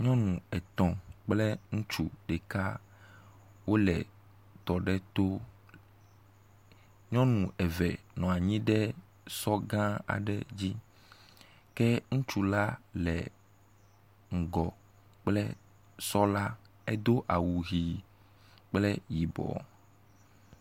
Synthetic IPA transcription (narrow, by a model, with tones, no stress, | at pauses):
ɲɔ̃˦nũ˨ɛ˨t̪ɔ̃˨k͡plɛ˦ŋũ˦t͡ʃu˦ɖɛ˨ka˦ | wo˦lɛ̰˨ | t̪ɔ˨ɖɛ˦t̪o˦ | ɲɔ̃˦nũ˨ɛ˨vɛ̰˨ | nɔ̃˨a˨ɲĩ˦ɖɛ˦ | sɔ˦ɡã˦a̰˨ɖɛ̰˦d͡ʑi˦ | kɛ˦ŋũ˦t͡ʃu˦la˦lɛ˨ | ŋ̩˨ɡɔ˨ | k͡plɛ˦ | sɔ˦la˦ | e˦d̪o˦ʔa˨wu˨ɣi˨ | k͡plɛ˦ji˨bɔ̰˨